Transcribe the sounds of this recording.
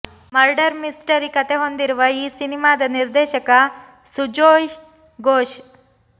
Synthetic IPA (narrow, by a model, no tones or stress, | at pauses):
mɐɾɖɐɾmisʈɐɾikɐt̪eɦond̪iɾuʋɐiːsinimaːd̪ɐniɾd̪eːʃɐkɐ | sud͡ʒoːj | ɡoːʃ